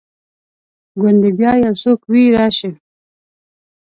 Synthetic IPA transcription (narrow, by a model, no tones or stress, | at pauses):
ɡʊnd̪ebjɑːjasokwiɾɑɕi